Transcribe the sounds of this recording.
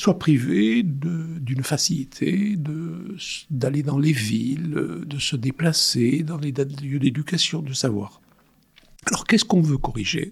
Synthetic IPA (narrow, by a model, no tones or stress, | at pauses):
swapχived̪əd̪ynfasilit̪ʰed̪ə | d̪aled̪ɑ̃levild̪əsəd̪eplased̪ɑ̃led̪jød̪ed̪ykasjɔ̃d̪əsavwa̰ːʁ | alɔʁkɛskɔ̃vøkɔʁiʒḛ